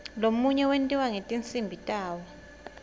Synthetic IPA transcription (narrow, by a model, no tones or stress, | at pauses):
lomuɲɛwentʼiwaŋetʼint͡sʼimbʱitʼaːwɔ